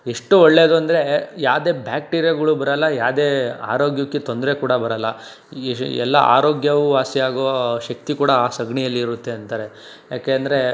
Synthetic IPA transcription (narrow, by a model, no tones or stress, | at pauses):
eʂʈuɔɭːe̞ːd̪uɐnd̪ɐɾe̞jaːʋd̪e̞ːbʱjaːk̚ʈiːɾjɐɡɐɭubɐɾɐlːɐjaːʋd̪e̞ːa̰ːɾoːɡjɐkːit̪o̞nd̪ɐɾe̞kuːɽɐbɐɾɐlːɐ | ɛ̰lːɐ̰ʔa̰ːɾoːɡjɐʋuʋaːsiaːɡoʋɐʃɐk̚t̪ikuːɽɐːsɐɡɳijɐlːiːɾut̪ːe̞ɐnt̪aːɾe̞ | jaːkeːɐnd̪ɐɾe̞